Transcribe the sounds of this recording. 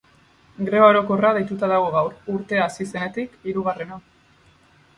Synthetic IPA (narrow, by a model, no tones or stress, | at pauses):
ɡɾe̞βaoɾo̞ko̞rað̞e̞jt̪ut̪aðaɣ̞o̞ɣ̞awɾuɾt̪e̞asise̞ne̞t̪ikiɾuɣare̞no